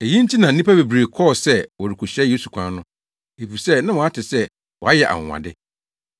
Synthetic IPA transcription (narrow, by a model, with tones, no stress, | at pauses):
e˨jĩ˦n̩˦tʰi˦nã˨˦nĩ˦pa˦be˨bɾe˨kʰɔ˦˨sɛ˦wɔ˨ɾɪ˨kʰu˨ɕɛ˦je˦su˨kʷʰã˦nʊ̃˦ | e˨fi˨sɛ˦˨nã˦wɔ̃˨a˦tʰɪ˨sɛ˦ | wɔ˨a˦jɛ˨ʔa̰˨ŋ̰˨ã̰˨dɪ˦